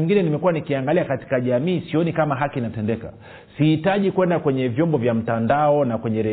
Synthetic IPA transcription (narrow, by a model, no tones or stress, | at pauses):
iŋɡinɛnimɛkuwanikiaŋɡaliakati̥kaʄamiːsiɔnikamaɦakinatɛndɛka̰ | sihitaʄikwɛndakwɛɲɛvjɔmbɔvjam̩tandaɔnakwɛɲɛɾɛ